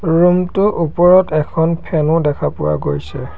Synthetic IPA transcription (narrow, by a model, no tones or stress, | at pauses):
ɹumtʊʔupɔɹɔtɛkʰɔnpʰɛnʊdɛkʰapʊwa̰ɡojsɛ